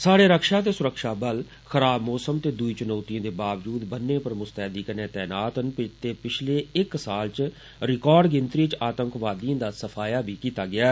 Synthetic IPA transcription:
saːɽeːɾəkʃaːt̪eːsʊɾəkʃaːbəl | xəɾaːbmɔːsəmt̪eːd̪ʊiːt͡ʃʊnɔːt̪ijə̃ːd̪eːbaːʋd͡ʒuːd̪bənːẽːpəɾmʊst̪ɛːd̪iːkəɾnẽːt̪ɛːnaːt̪ɦənpɪt̪eːpɪt͡ʃʰleːɪksaːlt͡ʃ | ɾɪkɔːɾɖɡɪnt̪ɾiːt͡ʃaːt̪əŋkʋaːd̪iãːd̪aːsəpʰaːjaːbʱiːkiːt̪aːɡɪaː

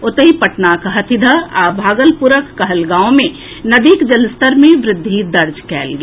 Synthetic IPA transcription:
ot̪əɦipəʈnakɦɐt̪ʰɪd̪ʱəabʱaːɡəlpuɾəkːəɦəlɡãːõmẽ | nəd̪ikd͡ʒəlst̪əɾmẽʋɾɪd̪ʱːid̪əɾd͡ʒkɛ̰ːlɡi

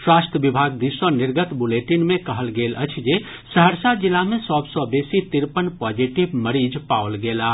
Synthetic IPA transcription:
swast̪əbibʱaɡd̪isəniɾɡət̪buleʈinmekəɦəlɡelʔə̰t͡ʃʰd͡ʒe | səɦəɾsad͡ʒilːamesɔbsɔbesit̪iɾpənpɔd͡ʒiʈibməɾid͡ʒpaolɡela

